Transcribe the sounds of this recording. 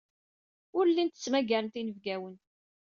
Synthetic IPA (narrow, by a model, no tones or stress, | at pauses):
ʊɾlːint̪ːə̥t͡sːmæɡæɾənt̪inəvɡæwən